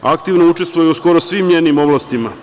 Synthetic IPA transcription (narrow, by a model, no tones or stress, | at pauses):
akt̪iʋnout͡ʃe̞st̪vʋojuusko̞ɾosʋimɲenimoblˠast̪ima